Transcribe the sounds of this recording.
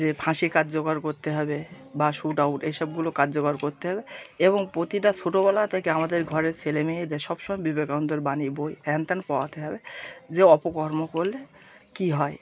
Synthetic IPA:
d͡ʑepʰãʃikad͡ʑd͡ʑokaɾkoɾt̪eɦɔbe | baʃuʈawʈeʃɔb̚ɡulokad͡ʑd͡ʑokaɾkoɾt̪eɦɔbeeboŋpɾot̪iʈat͡ɕʰoʈobɛlat̪ʰekeamad̪eɾɡʱɔɾeɾt͡ɕʰelemeed̪ɛʃɔbʃɔmɔjbibekaond̪oɾbanibojpʰɛnt̪anpɔwat̪ʰeɦɔbed͡ʑeɔpokɔɾmokoɾle | kiɦɔe

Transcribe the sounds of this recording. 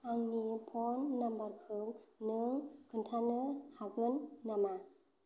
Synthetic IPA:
ʔaŋnipʰɔnːambaɾkʰɯwnɯŋkʰɯntʰanəhaɡɯnːama

